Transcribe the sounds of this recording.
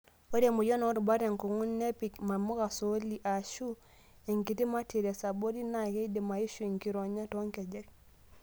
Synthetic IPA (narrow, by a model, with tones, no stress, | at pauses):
o˦ɾe˨mu˨jɔ˦no˦ɾba˦ɾe˨ŋku˨ŋu˦nne˦pi˨kma˨mu˦ka˨so˦li˨ʔa˨ʃu˦ | e˨ŋki˨ti˦ma˦ti˨ɾe˨sa˨bo˦di˦na˨ke˦i˦di˨ma˨i˦ʃu˦i˨ŋki˦ɾo˨ɲa˦to˦ŋke˨d͡ʒe˦k̚